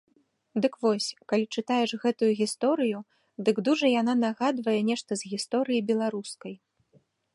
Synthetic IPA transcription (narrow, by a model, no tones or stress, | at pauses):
d̪ɨkvɔsʲkalʲit͡ʂɨt̪ajɛʂɣɛt̪ujuɣʲist̪ɔɾɨju | d̪ɨɡd̪uʐɐjananaɣad̪vɐjɛnʲɛʂt̪ɐzɣʲist̪ɔɾɨjibʲɛlˠaɾuskɐj